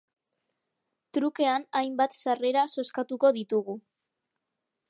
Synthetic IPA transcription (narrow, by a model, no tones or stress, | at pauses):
t̪ɾuke̞anajmbat̪sare̞ɾaso̞skat̪uko̞ðit̪uɣu